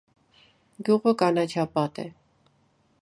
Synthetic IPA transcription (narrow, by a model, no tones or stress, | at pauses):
ɡʲjuʁəkɑnɑt͡ʃʰɑpɑt̪ɛ̰